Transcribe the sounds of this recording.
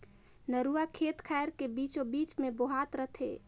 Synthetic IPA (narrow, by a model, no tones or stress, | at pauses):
nəɾuakʰeːt̪kʰɛjɾkebiːt͡ʃobiːt͡ʃmẽboɦat̪ɾət̪ʰe